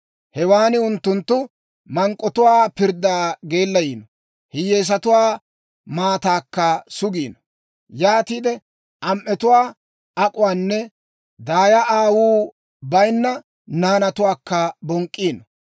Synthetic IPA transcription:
hɛwaːnɪʊnt̪ːʊnt̪ːʊ | mɐŋkʼːɔt̪ʊwaːpɪɾd̪aːɡe̞ːlːɐjiːnɔ | hɪjeːs̬ɐt̪ʊwaː | maːt̪aːkːɐsʊɡiːnɔ | jaːt̪iːd̪ɛ | ʔɐmʔɛt̪ʊwaː | ɐkʼʊwaːnːɛ | d̪aːjɐʔaːwuː | bɐjnːɐ | naːnɐt̪ʊwaːkːɐbɔŋkʼːiːnɔ

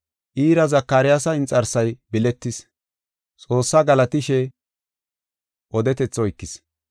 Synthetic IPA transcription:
ʔiːɾɐzɐkːaːɾɪjasɐɪnt͡sʼːɐɾsɐjbɪlɛt̪ːɪs | t͡sʼo̞ːsːɐɡɐlɐt̪ɪʃɛ | ʔɔd̪ɛt̪ɛt͡sːɔjkːɪs

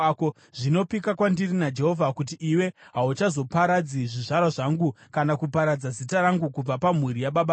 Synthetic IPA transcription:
ko | ʐ̥ino̞pikakwandirinad͡ʒe̞ɦo̞vʱakut̬iʔːwe̞ɦaut͡ʃazo̞paɾad͡ziʐiʐaɾwaʐaŋɡukanakupaɾad͡zazitaɾaŋɡukub͡vapam̤uɾijaɓaɓa

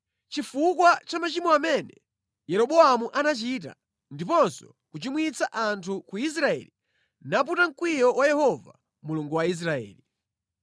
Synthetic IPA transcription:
t͡ʃifukwat͡ʃamat͡ʃimɔamɛnɛ | jɛɾɔɓɔamuʔanat͡ʃit̬a̰ | ndipɔnsɔ | kut͡ʃimwit͡sʰaʔantʰukuis̬ɾaɛ̰li | nap̬utaŋ̩kwijɔwajɛhɔva̰ | muluŋɡuwais̬ɾaɛ̰ːli

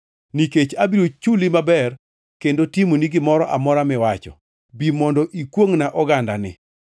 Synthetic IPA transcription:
niket͡ʃabiɾot͡ʃulimabɛr | kendotimoniɡɪmɔɾɔʔamɔɾamɪwat͡ʃɔ̰ | bimɔndɔʔikwoŋnaʔɔɡanda̰nɪ̰

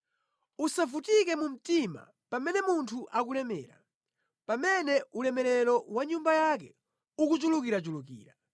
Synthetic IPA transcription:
usavutikɛmum̩tima̰ | pamɛnɛmuntʰuʔak̬ulɛmɛ̰ːɾa | pamɛnɛʔulɛmɛɾɛɾɔwaɲumbajak̬ɛ | ukut͡ʃulukiɾat͡ʃuluk̬ḭːɾa

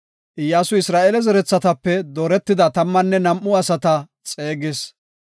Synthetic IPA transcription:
ʔɪjːaːsʊɪsɾaːʔɛlɛzɛɾɛt͡sːɐt̪ɐpːɛd̪oːɾɛt̪ːɪd̪ɐt̪ɐmːɐnːɛnɐmʔʊɐsɐt̪ɐ | t͡sʼeːɡɪs

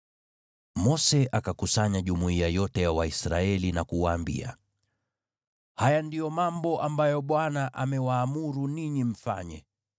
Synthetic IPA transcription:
mɔsɛʔakakusaɲaʄumuiajɔtɛjawaisɾaɛlinakuwaːmbḭa̰ | hajandijɔmambɔʔambajɔɓwanaʔamɛwaːmuɾuniɲim̩fa̰ɲɛ

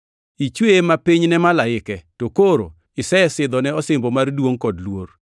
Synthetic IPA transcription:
it͡ʃwemapiɲnɛmalaɪkɛtokoɾo̰ | ɪsɛsɪd̪ɔnɛɔsɪmbɔmardwoŋkɔdlwo̰r

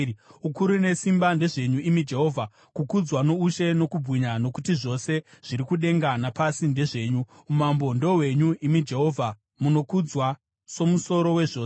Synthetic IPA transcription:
ukuɾune̞simbande̞ʐe̞ɲuimid͡ʒe̞ɦo̞ːvʱa | kukud͡zwano̞uʃe̞no̞kubʱwiɲano̞kutiʐo̞se̞ʐ̥iɾikuɗe̞ŋɡanapasinde̞ʐe̞ːɲu | umambo̞ndo̞we̞ɲuʔimid͡ʒe̞ɦo̞ːvʱa | muno̞kud͡zwa | so̞muso̞ɾo̞we̞ʐo̞ːs

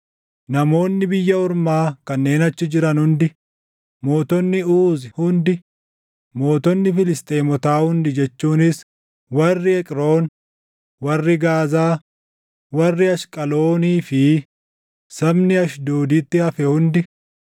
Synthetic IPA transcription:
nɐmo̞ːnːɪbɪjːɐɔɾmaːkɐnːe̞ːnɐt͡ʃːɪd͡ʒɪɾɐnhʊnd̪ɪ | mo̞ːt̪ɔnːɪuːzɪhʊnd̪ɪ | mo̞ːt̪ɔnːɪfɪlɪst̪ʼe̞ːmɔt̪aːhʊnd̪ɪd͡ʒɛt͡ʃːuːnɪs | wɐrːɪɛkʼɾo̞ːn | wɐrːɪɡaːzaː | wɐrːɪɐʃkʼɐlo̞ːniːfɪ | sɐbnɪɐʃd̪oːd̪iːt̪ːɪhɐfɛhʊnd̪ɪ

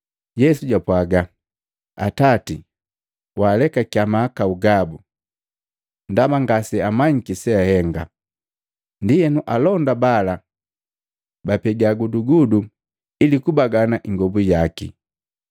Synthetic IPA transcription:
jɛsuɟapwaɡa | a̰tati | waːlɛkakiamakauɡabu | ndamaŋɡasɛamaɲikisɛahɛŋɡa̰ | ndijɛnuʔalɔndabala | bapɛɡaɡuduɡudu | ilikubaɡanaʔiŋɡɔbujakḭ

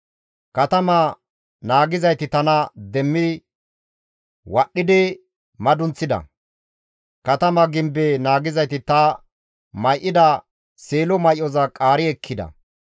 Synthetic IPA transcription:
kɐt̪ɐmɐ | naːɡɪzɐjt̪ɪt̪ɐnɐd̪ɛmːɪ | wɐɗːɪd̪ɪ | mɐd̪ʊnt͡sːɪd̪ɐ̰ | kɐt̪ɐmɐɡɪmbenaːɡɪzɐjt̪ɪt̪ɐ | mɐjʔɪd̪ɐ | seːlɔmɐjʔɔzɐkʼaːɾɪɛkʰːɪd̪ɐ̰

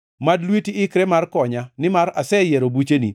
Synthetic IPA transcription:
madlwitiɪkɾɛmarkɔɲanɪmaɾasɛjɛɾobut͡ʃeni

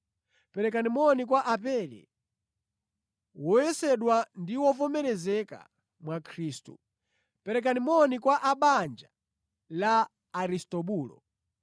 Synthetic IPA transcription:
pɛɾɛk̬animɔnik̬waʔapɛlɛ̰ | wɔjɛsɛɗwandiwɔvɔmɛɾɛzɛka̰ | mwakʰɾiːstṵ | pɛɾɛk̬animɔnikwaʔaɓand͡ʒa | laː | ɾistɔɓuːlɔ̰

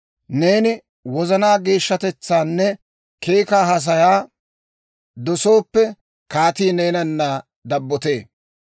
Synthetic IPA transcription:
ne̞ːnɪ | wɔzɐnaːɡe̞ːʃːɐt̪ɛt͡sːaːnːɛ | ke̞ːkaːɦɐs̬ɐjaː | d̪ɔsoːpːɛ | kaːt̪iːnejnɐnːɐ | d̪ɐbːɔt̪e̞ː

